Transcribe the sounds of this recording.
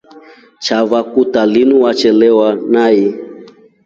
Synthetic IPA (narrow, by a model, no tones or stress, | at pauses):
t͡ʃavakutalinuwat͡ʃɛlɛwanai